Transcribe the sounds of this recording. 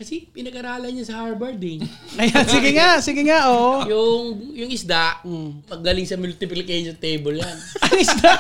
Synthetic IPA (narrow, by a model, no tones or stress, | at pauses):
kɐsɛpɪnɐɡɐɾaːlɐɲɐsɐhaɹbɛɹd̪ɪŋ | ʔɐjansɪɡɪŋasɪɡɪŋaʔoːʔjʊŋjʊŋʔɪsd̪aʔpɐɡ̚d̪ɐlɪŋsɐmʊlt̪ɪplɪkejʃont̪ejbolːaŋʔɐŋɪsd̪aʔ